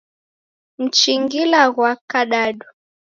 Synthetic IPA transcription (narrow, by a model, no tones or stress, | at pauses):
m̩t͡ʃiŋɡilaɣwakaɗaɗu